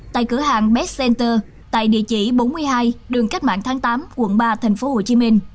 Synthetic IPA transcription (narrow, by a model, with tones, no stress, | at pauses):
t̪a̰ː˧˨jkɨ˧˩əɦaː˨˩ŋɓɛ˦˥t̚sɛ˧nt̪əː˧ | t̪a̰ː˧˨jɗḭ˧˨ət͡ɕḭ˧˩ɓo˨˦nmɨ˧əjɦaː˧jɗɨ˨˩əŋka˦˥k̚ma̰ː˧˨nt̪ʰaː˨˦ŋt̪aː˨˦mkwə̰˧˩nɓaː˧t̪ʰa˨˩jŋ̟fo˨˦ho˨˩t͡ɕi˨˦mï˧ŋ̟